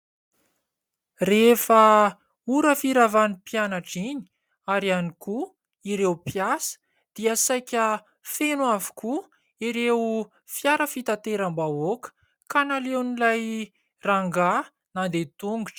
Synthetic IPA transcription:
refə | uɾəfiɾavanipianaʈ͡ʂiɲi̥ | aɾaniku | iɾewpiasə̥ | d̪̥iasajkʲə | fenwavu̥ku | iɾew | fjaɾəfit̪at̪eɾambaokə̥ | kanalewnilaj | raŋɡa | nand̪et̪uŋɡuʈ͡ʂə̥

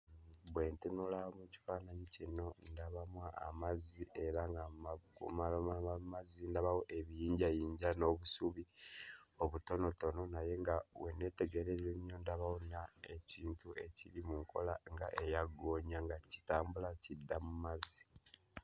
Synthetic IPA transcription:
βwe̞ntunulaomuci̥faːnaɲicino̞ndaβamwaʔːmaziʔe̞ɾaŋɡamkṵmamaamazindaβawoʔeβijiːɲɟajiːɲɟano̞ːβusuβi | oβuto̞no̞to̞no̞naje̞ŋɡaβwene̞te̞ɡe̞ɾe̞zemjo̞ndaβawonaeciːntuʔe̞ciɾimuŋkʰo̞̰laŋɡaʔe̞jaɡo̞ːɲaŋɡaci̥taːmbulacidːamumazi

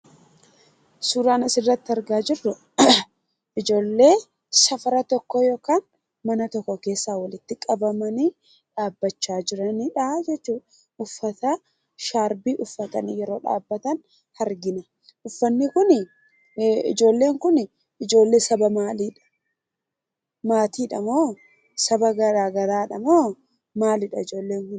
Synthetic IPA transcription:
suːɾaːnɐsɪrːɐt̪ːɪɐɾɡaːd͡ʒɪrːʊ | ʔɪd͡ʒo̞ːlːe̞ː | sɐfɐɾɐt̪ɔkːɔjoːkaːn | mɐnɐt̪ɔkːɔke̞ːsːaːwɐlɪt̪ːɪkʼɐbɐmɐniː | ᶑaːbːɐt͡ʃːaːd͡ʒɪɾɐniᶑɐd͡ʒɛt͡ʃːuːᶑɐ | ʊfːɐt̪aː | ʃaːɾbiːʔʊfːɐt̪ɐnjɛɾo̞ːᶑa̰ːbːɐt̪ɐn | hɐɾɡɪnɐ | ʔʊfːɐnːɪkʊn | ɪ̰d͡ʒo̞ːlːe̞ːŋkʊn | ɪd͡ʒo̞ːlːe̞ːsɐbɐmaːliːᶑɐ̥ | maːt̪iːᶑɐmoː | sɐbɐɡɐɾaːɡɐɾaːᶑɐmoː | maːlɪᶑɐɪd͡ʒo̞ːlːe̞ːŋkʊn

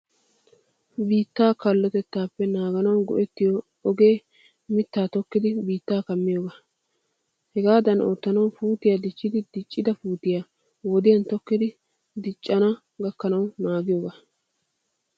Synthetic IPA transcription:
biːt̪ːaːkɐlːɔt̪ɛt̪ːaːpːɛnaːɡɐnɐwɐnɡɔ̰ʔɛt̪ːɪjɔ | ɔɡe̞ː | mɪt̪ːaːt̪ɔkːɪd̪ɪbiːt̪ːaːkɐmːɪjoːɡɐ | hɛɡaːd̪ɐno̰ːt̪ːɐnɐwfuːt̪ɪjad̪ɪt͡ʃʼːɪd̪ɪd̪ɪt͡ʃʼːɪd̪ɐfuːt̪ɪja | wɔd̪ɪjɐnt̪ɔkːɪd̪ɪ | d̪ɪt͡ʃʼːɐnɐ | ɡɐkːɐnɐwnaːɡɪjoːɡa

